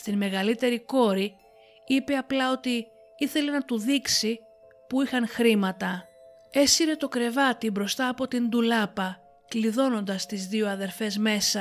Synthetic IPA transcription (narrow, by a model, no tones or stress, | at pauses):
st̪inme̞ɣɐlit̪e̞ɾiko̞ɾi | ipe̞ɐplɐo̞t̪i | iθe̞le̞nɐt̪uðiksi | puixɐnxɾimɐt̪ɐ | e̞siɾe̞t̪o̞kɾe̞vɐt̪ibɾo̞st̪ɐːpo̞t̪ind̪ulɐpɐ | kliðo̞no̞nd̪ɐst̪izðio̞ɐðe̞ɾfe̞zme̞sɐ